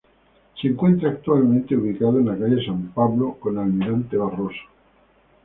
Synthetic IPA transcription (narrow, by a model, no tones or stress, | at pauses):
seŋkwe̞nt̪ɾaːk̚t̪walmẽnt̪euβ̞ikað̞oenlakaʝeesampaβlokonalmiɾant̪eβ̞aroso̥